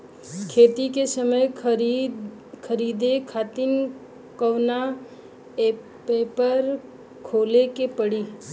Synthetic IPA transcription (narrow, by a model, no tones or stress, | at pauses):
kʰeːt̪ikesəməj | kʰəɾiːd̪ekʰaːt̪ɪn | kəʋna | peːpəɾ | kʰoːlekepəɽiː